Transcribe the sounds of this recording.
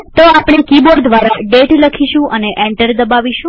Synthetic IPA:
t̪oapɳ̃ekiboɾd̪ʋaɾaɖeʈləkʰiʃũʔəneʔɛ̃ɳʈəɾd̪əbaʋiʃũ

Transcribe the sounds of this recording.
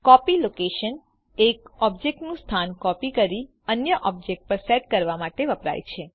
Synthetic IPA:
kɔpilokeʃən | ekɔbd͡ʒek̚ʈnũst̪ʰankɔpikəɾi | ənjəʔɔb̚d͡ʒek̚ʈ̚pəɾseʈkəɾʋamaʈeʋəpɾa̰jt͡ʃʰe

